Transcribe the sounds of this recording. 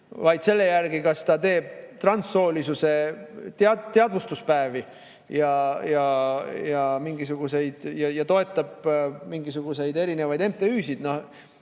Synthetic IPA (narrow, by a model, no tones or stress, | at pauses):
vɑjd̪̥se̞lːe̞jærɡikɑst̪ɑt̪e̞ːb̥̚t̪rɑnsːo̞ːlisuse̞t̪eɑt̪ːeɑd̪vust̪uspæevi | jɑjɑjɑmiŋɡisuɡ̥use̞jd̪̥jɑjɑt̪o̞e̞t̪ˑːɑb̥miŋɡisuɡ̥use̞jd̪e̞ɾine̞vɑjd̪e̞mt̪ːeyːsid̪̥no̞h